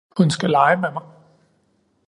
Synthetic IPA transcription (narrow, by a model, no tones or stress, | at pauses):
hunsɡ̥ælɑ̈ɪəmemɑ̈ɪ